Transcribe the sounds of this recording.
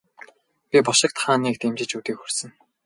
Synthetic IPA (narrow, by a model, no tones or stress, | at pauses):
pʲipɔʃɪ̆k̚t̪χaːniːkt̪ʰemt͡ɕɪ̆t͡ɕuːt̪iːkxursɘ̆ŋ